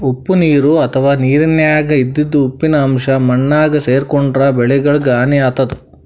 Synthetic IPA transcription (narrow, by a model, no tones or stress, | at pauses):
upːuniːɾuɐt̪ʰɐʋaːniːɾɐnjaːɡɐid̪ːid̪ːuːpːinɐːmʂɐmɐnːaːɡɐseːɾkoɳɖɾɐbɛɭɛɡɐɭɡaːniaːt̪ɐd̪u